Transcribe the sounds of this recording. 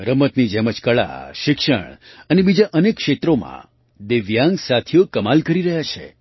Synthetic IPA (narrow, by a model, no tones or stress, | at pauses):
ɾəmət̪nid͡ʒeməd͡ʒkəɭa̰ʃɪkʃə̰ɳ̃ənebid͡ʒaʔənekːʃet̪ɾomã̰ | d̪eʋjãŋɡsat̪ʰijokəmalkəɾiɾəɦjat͡ʃʰḛ